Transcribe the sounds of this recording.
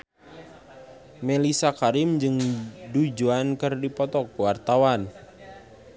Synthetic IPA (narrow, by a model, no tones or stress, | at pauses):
mɛlisakaɾimd͡ʒɨŋdud͡ʒuankɨrdipɔt̪ɔkuwart̪awan